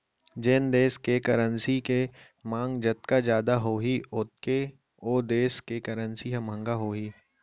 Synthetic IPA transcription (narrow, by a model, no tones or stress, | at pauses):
d͡ʒeːnd̪eːskekɐɾənsike | mãːŋɡd͡ʒɐt̪̚kad͡ʒjaːd̪aɦoːɦiʔʊt̪̚ke | oːd̪eːskekɐɾənsiɦɐ̃mə̃ŋɡaɦoːɦiː